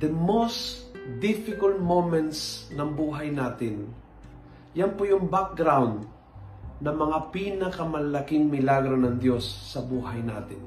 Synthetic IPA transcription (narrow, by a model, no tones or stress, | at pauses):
d̪ɐmosd̪ɪfɪkɐlt̪̚momɛnt̪snɐŋbuːɦɐjnaːt̪ɪn | jɐnpojʊŋbak̚ɡɾawnd̪ | nɐmɐŋapiːnɐkɐmɐlɐlɐkɪŋmɪlaɡɾonɐŋd̪jo̞sːɐbuːɦɐjna̰ːt̪ɪn